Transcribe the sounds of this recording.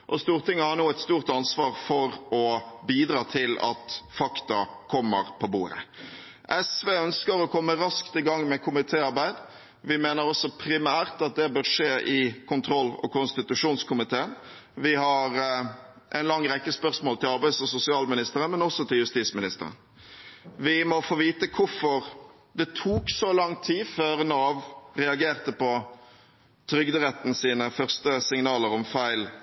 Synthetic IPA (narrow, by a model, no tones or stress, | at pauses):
ʔɔst̪uːʁt̪ɪŋːəhɑnuːɛt̪st̪uːʁt̪ɑnsʋɑːʁfɔɾɔbiːd̪ɾɑːt̪ʰɪlɑ̰t̪fɑkt̪ɑkʰɔmːə̰ɾpʰɔbṵːɾə̰ | ʔɛsʋeːœnskəɾɔkʰɔmːəɾɑskt̪ɪɡɑŋːmɛkʰʊmɪt̪ʰeːɑʁbæɪd̪ | ʋɪmeːnəɾɔsɔpʰɾɪmæːʁt̪ɑt̪̚d̪ɛbøːʁʂeːʔɪkʰʊnt̪ʰɾɔlːɔ̰kʊnst̪ɪt̪ʉʂuːnskʰʊmɪt̪ʰeːən | ʋɪhɑɾ | ʔɛ̰ɪnlɑŋːɾɛkːəspœʁsmoːlt̪ʰɪlɑʁbæɪsɔsʊsɪɑːlmɪnɪst̪əʁənmɛnɔsːɔt̪ʰɪljʉst̪iːsmɪnɪst̪əɾə̰n | ʋɪmɔfoːʋiːt̪əkʰʊɾfɔʁ | d̪ɛt̪ʰuːksɔlɑŋt̪ʰiːføːɾnoːʋɾɛɑɡeːʁt̪əpɔ | t̪ʰɾʏɡd̪əɾɛt̪n̩siːnəfœʁst̪əsɪŋnɑːləɾɔmfæɪl